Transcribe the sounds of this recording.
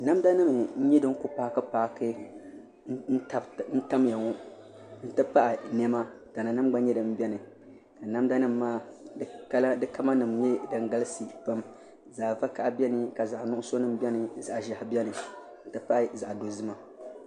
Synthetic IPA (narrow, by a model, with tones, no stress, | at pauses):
na˦mda˦nɨ˦m̩˨˦ɲɛ˦dɨ˦ŋ˦kʊ˦paː˦kɨ˦paː˦kɨ˦˨ | n̩˦ta˦mja˨ŋɔ˦ | n̩˦tɨ˦pa˦ʔa˨nɛ˦ma˦ta˨na˨nɨ˦m˦ɡ͡ba˦ɲɛ˦dɨ˨m˦bɛ˦nɨ˨ | ka˨na˦mda˦nɨ˦mː˦aː˦ka˦la˦dɨ˦ka˦ma˦nɨ˨mɲɛ˦dɨ˨ŋɡa˦lɨ˦sɨ˨pa˦m | za˨ʔva˦ka˨ʔbɛ˦nɨ˨ka˨za˨ʔnʊ˦ʔʊ˦so˦nɨ˦m˦bɛ˦nɨ˨za˨ʔʒa˨hbʲɛ˦nɨ˨˦ | n̩˦tɨ˦pa˦ʔza˨ʔdo˨zɨ˦ma˦